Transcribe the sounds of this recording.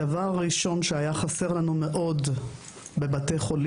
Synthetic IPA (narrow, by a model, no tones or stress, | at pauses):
avaʁːiʃo̞nʃeajaχase̞ʁlanume̞ʔo̞d | be̞bate̞jχo̞l